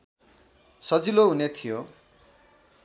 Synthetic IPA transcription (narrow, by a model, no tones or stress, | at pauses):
sʌd͡ziloɦunet̪ʰijo